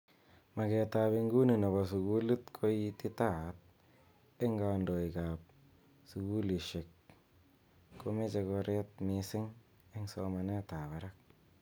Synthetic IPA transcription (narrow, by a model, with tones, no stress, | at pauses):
ma˨ke˨ta˨bi˧ŋɡu˦ni˨no˨ba˨s̬u˨ɡu˦li˦tkʰo˦ji˦ti˦ta˦˨˦t̚ | e˦ŋɡa˨ndo˨i˨ka˨p̚ | su˨ɡu˦li˨ʃe˨k | o˦me˦t͡ʃe˧ko˧ɾe˦t̚mi˨si˦ŋ | e˦ŋso˦ma˨ne˦ta˨ba˨ɾa˦k̚